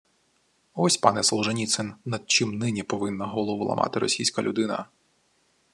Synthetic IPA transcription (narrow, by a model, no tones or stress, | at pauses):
ɔsʲpɑnɛsɔlˠʒenʲit̪sɪnnɐd̪̚t͡ʃɪmnɪnʲipɔʋɪnːɐɦɔlˠɔʋʊlˠɐ̰mʔɑ̰t̪ɪɾɔ̰sʲijsʲkɐlʲʔʊd̪ɪnɐ̰